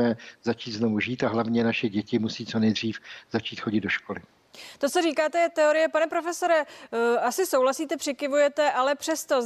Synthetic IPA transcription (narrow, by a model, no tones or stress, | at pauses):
ɛzat͡ʃiːt̪znovuʒiːt̪aɦlavɲɛnaʃɛɟɛcɪmusiːt͡sonɛjd̪r̝iːfzat͡ʃiːt̪xo̞ɟɪd̪do̞ʃkolɪ | t̪o̞t͡soriːkaːt̪ɛɛt̪ɛoɾɪjɛpanɛpɾo̞fɛso̞ɾɛasɪsowlasiːt̪ɛpr̥ɪkɪvujɛt̪ɛʔalɛpr̝̥ɛst̪o̞